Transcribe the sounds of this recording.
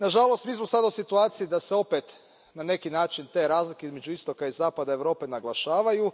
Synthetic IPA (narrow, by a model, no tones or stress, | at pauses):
naʒalˠo̞st̪miːsmo̞sad̪ausit̪uaːt̪siid̪ase̞o̞pet̪ | nane̞kinaːt͡ʃint̪e̞ːɾaːzlik̟e̞izmed͡ʒuist̪o̞kaizaːpad̪aeʋɾo̞ːpe̞naɡlˠaʃaːʋaju